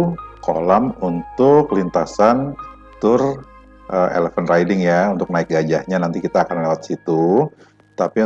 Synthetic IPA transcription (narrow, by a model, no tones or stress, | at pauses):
kolamunt̪ʊklint̪asan | t̪ʊr | ʔəḛlefanrajdɪŋjaunt̪ʊk̚naɪk̚ɡad͡ʒahɲanant̪ikit̪aːkanlewat̪̚sit̪u | t̪api